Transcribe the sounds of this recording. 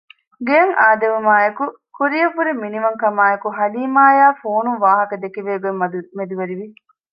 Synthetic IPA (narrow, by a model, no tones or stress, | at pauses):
ɡejɐŋaːd̪ɐʋumaːeku | kuɾijɐfuɾimːiniʋɐŋkɐmaːekuɦɐliːmaːjaːfoːnunʋaːɦɐkɐd̪ekiʋeːɡemmed̪iʋɐɾiʋi